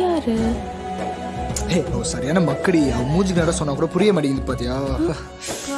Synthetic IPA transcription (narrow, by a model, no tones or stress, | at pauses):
jaːɾɯ | eːoːsɐɾijaːnaːmɐkːɐɽiɐmuːɲd͡ʒɯkːɯnaːɽasɔnːaːkuʊɽɐpʊɾɪjɐmaːʈɪŋɪnd̪ɯpaːɾt̪iŋɡaː